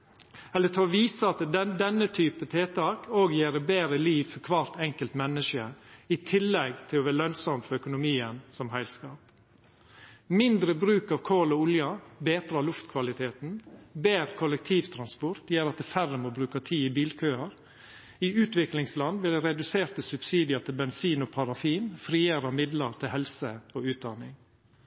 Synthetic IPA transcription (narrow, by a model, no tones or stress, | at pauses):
ɛlːət̪ʰɑːʋiːsəɑt̪d̪ɛnːət̪ʰyːpət̪ʰeːt̪ʰɑːkʰoːɡjeːɾəbeːɾəliːʋfɔɾkʰʋɑːɾt̪ɛŋkəlt̪mɛnːəʃəɪt̪ʰɪlːɛɡt̪ʰɪlɔʋæːɭœnsɔmfɔɾœkʊnʊmiːənsɔmhæɪlskɑːp | mɪnd̪ɾəbɾʉːkɑʋkʰoːlɔʊljɑbeːt̪ɾɑlʊft̪kʰʋɑlɪt̪ʰeːt̪n̩beːɾəkʰʊlɛk̚t̪ʰiːʋt̪ʰɾɑnspɔɾt̪ʰjeːɾɑt̪̚d̪ɛfærəmoːbɾʉːkət̪ʰiːɪbiːlkʰøːəɾ | iʉːt̪ʋɪklɪŋslɑnd̪ʋɪld̪ɛɾɛd̪ʉseːɾt̪əsʉbsiːd̪ɪɑt̪ʰɪlbɛnsiːnoːpʰɑɾɑfiːnfɾiːəɾɑmɪd̪ləɾt̪ʰɪlhɛlsəoːʉːt̪̚d̪ɑnɪŋ